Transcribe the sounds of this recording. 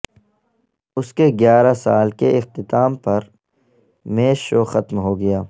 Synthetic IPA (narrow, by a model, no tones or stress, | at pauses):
ʊskeɡjaːɾasaːlkeʔɪqt̪ɪt̪aːmpɐɾ | meːʃoːxɐt̪mɦoːɡɐjaː